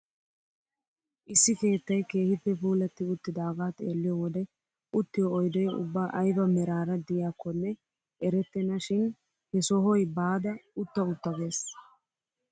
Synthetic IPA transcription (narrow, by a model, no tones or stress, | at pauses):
ʔɪsːɪke̞ːt̪ːɐjke̞ːhɪpːɛfuːlɐt̪ːɪʊt̪ːɪd̪aːɡaːt̪eːlːɪjɔwɔd̪ɛ | ʊt̪ːɪjɔːjd̪ɔjʊ̰bːaːʔɐjbɐmɛɾaːɾɐd̪ɪjaːkːɔnːɛ | ɛɾɛt̪ːɛnɐʃɪn | hɛsɔɦɔjbaːd̪ɐʊt̪ːɐʊt̪ːɐɡe̞ːs